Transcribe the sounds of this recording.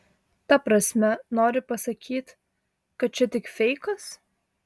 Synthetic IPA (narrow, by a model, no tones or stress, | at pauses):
t̪ɐpɾɐsʲmʲɛnoːɾʲɪpɐsɐkʲʰiːt̪ | kɐt̪̚t͡ʃʲɛt̪ʲɪkfʲɛɪkɐs